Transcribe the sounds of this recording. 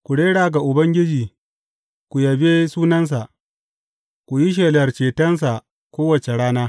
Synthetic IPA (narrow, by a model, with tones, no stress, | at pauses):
kʷu˨ɽeː˦ɽaː˨ɡa˨ʔʊ˨bɐ˦ŋɡʲɪ˦d͡ʒiː˨ | kʷu˨jɐ˨be˦suː˦nɐ˦ns̬a˨ʔ | kʷu˨ji˦ʃ̬eː˨lɐ˨rt͡ʃeː˨tɐ˦ns̬a˨ | kʷoː˦wɐ˨t͡ʃe˨ɽaː˦naː˦